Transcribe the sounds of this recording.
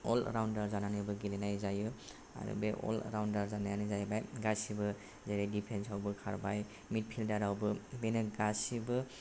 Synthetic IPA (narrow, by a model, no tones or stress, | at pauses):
o̰l̰ɾawndaɾzananɯbɯɡilenajzaju | a̰ɾṵbeʔo̰l̰ɾawndaɾzanajanizajbajɡasibɯ | zaɾadipʰensawbɯkʰaɾbaj | mit̚pʰildaɾawbɯbenɯɡasibɯ